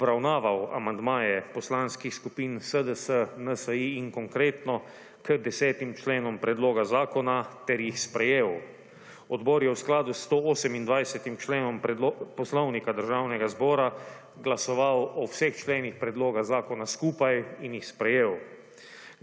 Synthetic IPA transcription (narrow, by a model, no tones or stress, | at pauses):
ɔbɾawnaːʋawa̰mand̪maːjɛpɔslanskixskupiːnsəd̪əsənəsəiːŋkɔŋkɾeːt̪nɔ | kəd̪ɛsɛːt̪imt͡ʃleːnɔmpɾɛd̪loːɡazaːkɔnat̪ɛɾjixspɾɛjeːw | ɔd̪bɔːɾjɛwsklaːd̪ust̪ooːsɛmind̪ʋajsɛt̪imt͡ʃleːnɔmpɔslɔwnikad̪əɾʒawnɛɡazbɔːɾa | ɡlasɔʋawɔwsext͡ʃleːnixpɾɛd̪loːɡaɣzaːkɔnaskuːpajinjixspɾɛjeːw